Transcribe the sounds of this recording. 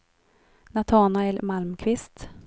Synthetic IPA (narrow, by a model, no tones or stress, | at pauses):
nat̪ʰɑːnaɛlmalmkʰvɪst̪